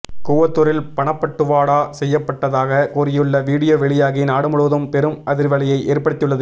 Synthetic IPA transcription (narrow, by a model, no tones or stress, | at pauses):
kuːʋɐt̪ːʊɾɪlpɐɳɐpːɐʈːɯʋaːɽaːsɛjːɐpːɐʈːɐðaːɣɐkuːɾɪjɯɭːɐʋiːɽɪjoːʋɛɭɪjaːɣinaːɽɯmʊɻɯðɐmpɛɾɯmɐðɪɾʋɐɭɐjɐɪʔeːrpɐɽɪt̪ːɯɭːɐðɯ